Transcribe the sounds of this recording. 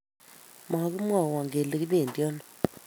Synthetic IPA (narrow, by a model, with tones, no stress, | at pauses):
ma˨˦ku˦mwa˨wa˨ŋɡe˨le˦ki˦be˨ndjɔ˦nɔ˨